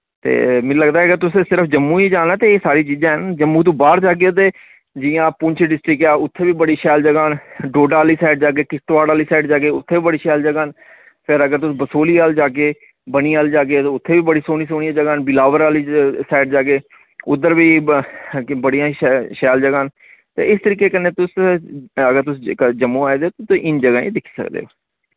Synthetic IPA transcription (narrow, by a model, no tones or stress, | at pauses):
t̪ḛːmɪ̃ləɡd̪aːɛəkəɾt̪ʊsẽːsɪɾəfʰd͡ʒəmːũːid͡ʒaːnãːt̪eːsaːɾiːt͡ʃiːzãːɦənd͡ʒəmːuːt̪̬õːbaːɾd͡ʒaːk̬eoːt̪eː | d͡ʒɪjãːpʊnt͡ʃeɖɪsʈɾɪkɛːʊt̪ʰːeːʋiːbəɽiːʃɛːld͡ʒəɡaːnɖoːɖaːliːsaːɪɖ̚d͡ʒaːkeːkɪsʈʋaːɽaːliːsaːɪɖd͡ʒaːɡeːʊt̪ʰːeːʋiːbəɽiːʃɛːld͡ʒəɡaːn | pʰɪɾəɡəɾt̪ʊsːbəsoːliːaːld͡ʒaːkeː | bəñiːaːld͡ʒaːɡeːt̪ːʊt̪ʰːeːʋiːbəɽiːsoːñiːsoːñijãːd͡ʒəɡaːnbɪlaːʋəɾaːliːsaːɪɖd͡ʒaːkeː | ʊd̪ːəɾʋiː | bəɽijãːʃɛːld͡ʒəɡaːn | t̪ḛːɪst̪əɾiːkeːkənːeːt̪ʊs | əɡəɾt̪ʊsd͡ʒəmːõːaːeːd̪eoːt̪ʊt̪oʔɪnd͡ʒəɡaːḭ̃ːd̪ɪkʰːi̥ːsə̰kd̪ḛːɦoː